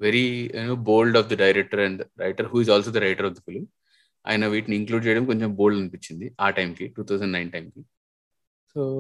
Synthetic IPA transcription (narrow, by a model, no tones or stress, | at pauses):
ʋeɾinoːboːlɖɔːfd̪ɐɖɐjɾek̚ʈɐɾɐɳɖɾɐjʈɐɾɦuːizɔːlsoːd̪ɐɾɐjʈɐɾɔfd̪ɐfuli | a̰ːjɐnɐʋiːʈniiŋkluːɖ̚t͡ʃejɐɽɐmko̞ɲt͡ʃembo̞ːlɖɐnipiɲt͡ʃːind̪iaːʈɐjmkiʈuːt̪ʰawsɐɳɖnajnʈɐjmki | soː